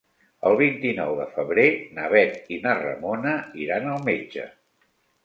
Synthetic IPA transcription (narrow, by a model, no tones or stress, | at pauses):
əlˠβ̞int̪inɔwðəfəβɾenəβɛt̪inərə̰monəiɾanəlˠmed͡ʒə̰